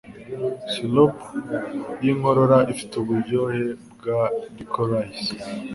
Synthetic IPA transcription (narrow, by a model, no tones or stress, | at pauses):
silop | jiŋo̞ɾo̞ɾaʔifi̥tuβuɾɟohe̞bɡadikʰoɾais